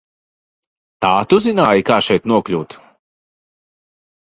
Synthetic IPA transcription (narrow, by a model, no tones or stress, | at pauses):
t̪aːt̪uzinaːjikaːʃɛjt̪nuɔklʲuːt̪